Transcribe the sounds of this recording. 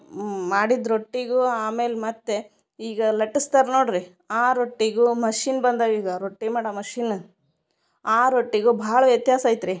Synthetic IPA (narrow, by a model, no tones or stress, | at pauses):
maːɽid̪ɾoʈːiɡuːaːme̞ːlmɐt̪ːe | iːɡɐlɐʈːist̪aːɾnoːɽɾi | aːɾoʈːiɡuːmɐʃiːnbɐnd̪aːʋiːɡɐɾoʈːimaːɽamɐʃiːn | aːɾoʈːiɡubʱaːɭɐʋjɐt̪jaːsaːjit̪ɾi